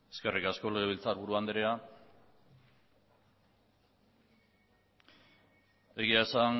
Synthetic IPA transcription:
eske̞rikasko̞le̞ɣ̞e̞βilt͡saɾβuɾuand̪eɾea | e̞ɣ̞iae̞san

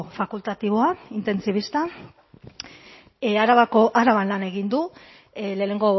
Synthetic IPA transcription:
fakult̪at̪iβo̞aint̪e̞nsiβ̞ist̪a | aɾaβakoʔaɾaβanlane̞ɣind̪u | le̞ːne̞ŋɡo̞

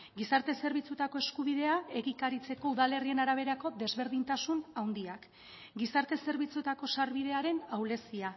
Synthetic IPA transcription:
ɡisaɾt̪e̞se̞ɾβit͡sut̪ako̞e̞skuβ̞iðe̞ae̞ɣikaɾit͡se̞ko̞uðale̞rie̞naɾaβ̞e̞ɾako̞ðe̞zβe̞ɾðint̪asunawnd̪iak | ɡisaɾt̪e̞se̞ɾβ̞it͡sut̪ako̞saɾβiðe̞aɾe̞nawle̞sia

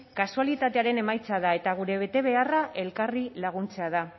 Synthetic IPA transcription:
kasualit̪at̪e̞aɾe̞ne̞majt͡sað̞ae̞t̪aɣ̞uɾe̞β̞e̞t̪e̞β̞e̞araʔe̞lkarilaɣ̞unt͡se̞að̞a

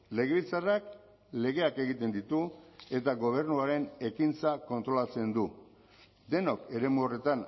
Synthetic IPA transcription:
le̞ɣe̞βilt͡sarak | le̞ɣe̞ake̞ɣit̪e̞nd̪it̪ue̞t̪aɣo̞β̞e̞ɾnuaɾe̞ne̞kint͡sako̞nt̪ɾo̞lat͡se̞nd̪u | d̪e̞no̞ke̞ɾe̞muo̞re̞t̪an

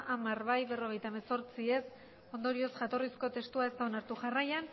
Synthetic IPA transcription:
ʔamarβajβe̞ro̞ɣ̞e̞jt̪aemeso̞ɾt͡sie̞s | o̞nd̪o̞ɾio̞sʝat̪o̞risko̞t̪e̞st̪uae̞st̪aonaɾt̪uʝarajan

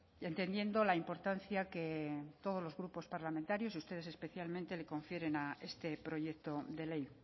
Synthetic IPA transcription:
e̞nt̪e̞nd̪je̞nd̪olaimpo̞ɾt̪an̟θjaket̪o̞ð̞o̞zlo̞zɣɾupo̞spaɾlamẽnt̪aɾjo̞sust̪e̞ð̞e̞se̞spe̞θjalmẽnt̪e̞le̞ko̞ɱfje̞ɾe̞nae̞st̪e̞pɾo̞ʝe̞kt̪o̞d̪e̞le̞j

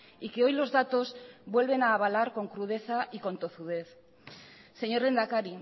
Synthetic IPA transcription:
ike̞o̞jlo̞zðat̪o̞zβwe̞lβ̞enaːβ̞alaɾko̞ŋkɾuð̞e̞θaʔiko̞nt̪o̞θuð̞e̞θ | se̞ɲo̞ɾe̞nd̪akaɾi

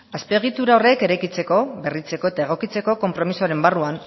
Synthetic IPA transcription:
aspe̞ːɣ̞it̪uɾao̞re̞ke̞ɾajkit͡se̞ko̞βe̞rit͡se̞ko̞e̞t̪ae̞ɣ̞o̞kit͡se̞ko̞ko̞mpɾo̞misoɾe̞mbaruan

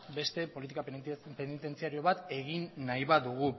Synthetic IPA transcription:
be̞st̪e̞po̞lit̪̬ikapenit̪e̞nt͡siaɾio̞βat̪e̞ɣinːajβaðuɣ̞u

